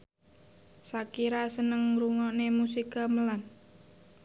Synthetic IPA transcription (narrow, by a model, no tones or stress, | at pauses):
sakiɾasənəŋɾuŋɔnemusikaməlan